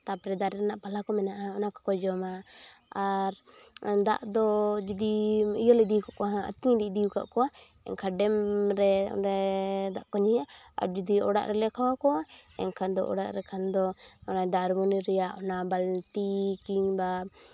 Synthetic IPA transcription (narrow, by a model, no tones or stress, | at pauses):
t̪apɾɛd̪aɾɛɾɛnaʔpalakɔmɛnaʔaɔnakɔ̥kɔd͡ʒɔmaaɾd̪a̰ʔd̪ɔd͡ʒud̪iijɔlɛd̪iukaʔkɔɦãə̰t̪iɲd̪id̪ijuka̰ʔkɔwa | ɛ̰ŋkʰaɖɛmɾɛ̰ɾɛd̪aʔkɔɲijaa̰ɾd͡ʒud̪iɔɽa̰ʔɾɛlɛkʰawakɔaɛ̰ŋkʰand̪ɔʔɔ̰ɽa̰ʔɾɛkʰand̪ɔɔnaɖaɾmɔniɾɛjaʔɔnabalt̪ikiɲba